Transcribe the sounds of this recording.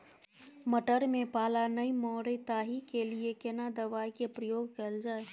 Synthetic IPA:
məʈəɾmẽpaːlanəimɔːɾet̪aːɦikeliekenad̪əʋaːjkepɾəjoːɡ̚kəld͡ʒaːe

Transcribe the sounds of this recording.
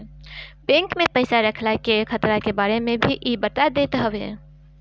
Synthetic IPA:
bẽŋkmẽpəɪsaɾəkʰlakekʰət̪ɾakebaːɾemẽbʱiʔibət̪ad̪eːt̪ɦəwḛ

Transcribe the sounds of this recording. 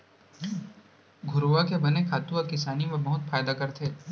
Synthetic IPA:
ɡʱʊɾuʋakebɐnekʰaːt̪ũɔːɾkɪsaːnimẽbɐɦʊt̪faːjd̪akɐɾt̪ʰeː

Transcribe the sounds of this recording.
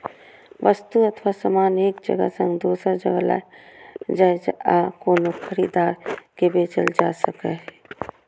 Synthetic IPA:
ʋʔəst̪uɐt̪ʰʋasamaːneːkd͡ʒə̰ɡə̰sə̃ŋɡd̪oːsɾad͡ʒəɡəla̰ː | d͡ʒaːed͡ʒaːkoːnoxʰəɾiːd̪aːɾkebeːt͡ʃəld͡ʒaːsəkeɦɛ

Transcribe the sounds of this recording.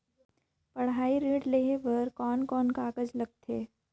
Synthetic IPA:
pɐɽ̤ɦaːiɾeːɖleːɦeʋɐɾkɔːnkɔːnkaːkəd͡ʒlɐɡ̚t̪ʰeː

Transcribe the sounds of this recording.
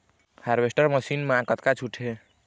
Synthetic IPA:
haɾbesʈəɾməsinmeãkət̪kat͡ʃʰuʈʰe

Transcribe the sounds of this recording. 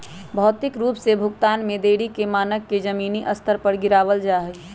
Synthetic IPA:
bʱɔːt̪ɪkɾuːpsebʱʊɡt̪aːnmẽd̪eːɽikemaːnəkːed͡ʒəmiːniʔɐst̪ʰəɾpəɾɡɪɾaːʋəld͡ʒaːɦɛ

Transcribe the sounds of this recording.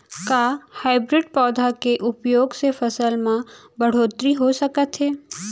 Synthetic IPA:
kaːhaːɪbɾɪɖpɔːd̪ʱakeʔʊpjoːɡsefʰəsəlmã | bəɽ̤oːt̪ɾiɦosəkət̪ɦeː

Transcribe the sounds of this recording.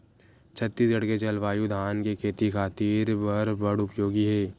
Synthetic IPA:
t͡ʃʰɐt̪ːiːsɡɐɽket͡ʃɐlʋaːjũd̪ʱaːnkekʰeːt̪ikʰaːt̪iːɾbɐɾbɐɽʊpjoːɡiɦɛː

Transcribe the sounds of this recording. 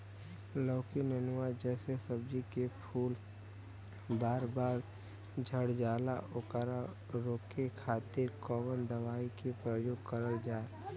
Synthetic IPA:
lɔːkinənʊwad͡ʒɛːsesəbd͡ʒikepʰuːl | baːɾbaːɾ | d͡ʒʱəɽd͡ʒaːlaʊkɾa | ɾoːkekʰaːt̪ɪɾkɔːbənd̪əʋaːikepɾəjoːɡkəɾəld͡ʒaːe

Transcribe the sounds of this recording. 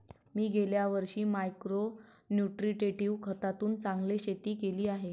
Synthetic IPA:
miːɡeljaʋəɾɕiːmajkɾo | njuʈɾiʈeʈiʋkʰət̪at̪uːnt͡saŋɡleɕet̪iːkeliːaɦe

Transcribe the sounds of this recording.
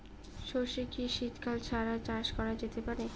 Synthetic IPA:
ʃoʃikiʃit̪kʰalt͡ɕʰaɾat͡ɕaɾʃkɔɾad͡ʑet̪epaɾe

